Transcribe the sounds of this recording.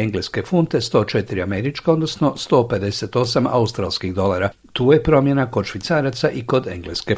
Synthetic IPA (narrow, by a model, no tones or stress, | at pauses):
eŋɡleske̞funt̪e̞st̪o̞ːt͡ʃet̪iɾiame̞ɾit͡ʃkao̞d̪nosno̞st̪o̞ːpe̞d̪e̞se̞t̪o̞sama̰ust̪ɾalˠskiɣd̪o̞laːɾa | t̪uːje̞pɾo̞mje̞nako̞d̪ʃʋit̪saːɾat̪saʔiko̞d̪e̞ŋɡleske̞